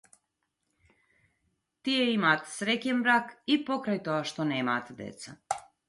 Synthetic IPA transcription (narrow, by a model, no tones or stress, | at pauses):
t̪ijeimat̪sɾecenbɾaːkipo̞kɾajt̪oɡaʃt̪oneːmat̪d̪ḛt̪sa